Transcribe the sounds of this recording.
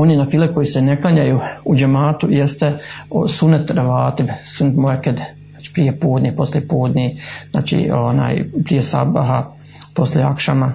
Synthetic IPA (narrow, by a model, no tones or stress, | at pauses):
oninafiːleko̞jisene̞klaɲajuːud͡ʒemaːt̪ujest̪eosunet̪ɾəʋaːt̪imsunet̪moeked̪ | at͡ʃi̥pɾijepuːd̪nʲipo̞slijepuːd̪nizna̰ːt͡ʃḭona̰ːjpɾijesa̰baɦa | po̞slʲjeakʃama